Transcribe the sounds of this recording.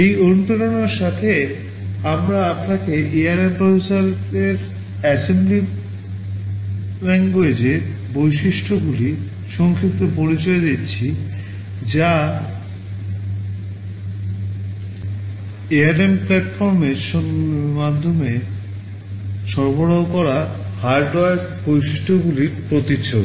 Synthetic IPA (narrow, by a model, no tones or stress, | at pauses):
ejont̪oɾonoɾʃat̪ʰe | amɾaapnakeʔeaɾempɾobʱisaɾ | eɾ | ɛsembli | ɾɛŋoed͡ʑe | bojʃiʃʈʰoɡuli | ʃɔŋkʰikt̪opoɾit͡ɕɔed̪etːt͡ɕʰi | d͡ʑa | eaɾemplɛʈfɔɾmeɾʃmad̪ʱːome | ʃɔɾboɽaɦokɔɾa | haɾɖɔaɾk | bojʃiʃʈʰoɡuliɾpɾot̪it͡ɕʰːob